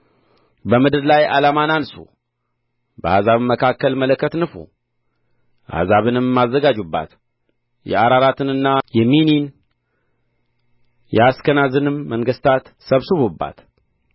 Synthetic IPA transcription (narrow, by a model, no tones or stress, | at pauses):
bəmɨd̪ɨɾlaja̰lamanansṵ | bəhazaβɨmːəkʰakːəlmələkʰːət̪nɨfṵ | ʔa̰hzaβɨnɨmːazːəɡad͡ʒubːa̰t̪ | jɛ̰aɾaɾat̪ʰɨnɨnːajɛminin | jɛaskənazɨnɨmːəŋɡɨst̪ʰat̪səβsɨβubːa̰t̪